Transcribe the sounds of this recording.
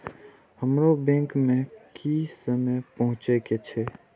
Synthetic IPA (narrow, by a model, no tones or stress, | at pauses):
həmɾobɛ̃ŋkmẽkʰisəməpəɦʊ̃t͡ʃeket͡ʃʰɛ